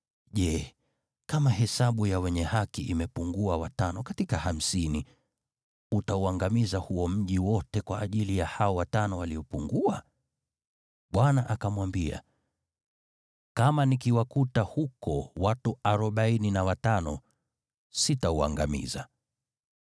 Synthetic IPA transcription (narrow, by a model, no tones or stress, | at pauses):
ʄɛ | kamaɦɛsaɓujawɛɲɛhakiʔimɛpuŋɡuawatanɔkatikaham̩sini | utauaŋɡamizahuɔm̩ʄiwɔtɛkwaʔːʄilijahaɔwatanɔwaliɔpuŋɡua | ɓwanaʔakamwambia̰ | kamanikiwakutahukɔwatuaɾɔɓaininawatanɔ | sitaua̰ŋɡamḭza